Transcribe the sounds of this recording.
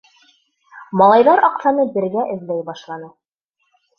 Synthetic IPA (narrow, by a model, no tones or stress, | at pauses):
mɑlˠɑjðɑɾɑqsɑnɤbɘ̆ɾɡæʔɘ̆ðlæjbɑʃlˠɑnɤ